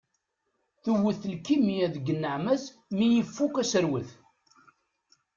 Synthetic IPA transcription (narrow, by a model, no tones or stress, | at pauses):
θuwːəθəlkːimijæðɡənːəʕmæz | mijəfːukæsəɾwəθ